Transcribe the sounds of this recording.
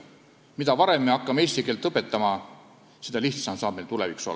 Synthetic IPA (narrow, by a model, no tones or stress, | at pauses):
mid̪ɑvɑɾe̞mːeɑkːɑmesʲt̪ikelt̪ːˑɤpːˑet̪ːˑɑmɑ | sed̪ɑliht̪sɑmsɑːb̥melt̪ulevikso̞̰lː